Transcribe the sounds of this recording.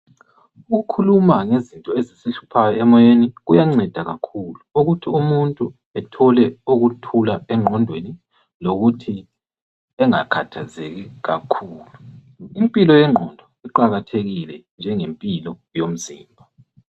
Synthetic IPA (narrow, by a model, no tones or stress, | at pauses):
uɣukʰulumaŋezintʼɔezisiɬu̥pʰajɔɛmɔjeniɣujaŋ͡ǀɛd̥ʱaɣakʰuːluuɣutʰiumuntʼu | ɛtʰɔlɛuɣutʰulaɛŋ͡ǃʱɔndʱweni | loɣutʰi | ɛŋakʰatʰazeɣiɣakʰuːlu | impʼilɔjɛŋ͡ǃʱɔndʱɔiǃaɣatʰeɣilɛnd͡ʒʱɛŋempʼilɔ | jom̩ziːmbʱa